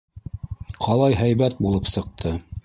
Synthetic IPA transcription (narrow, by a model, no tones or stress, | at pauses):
qʰɑlˠɑjɦæjβæt̪̚bulˠɤpsɤ̆q̚t̪ʰɤ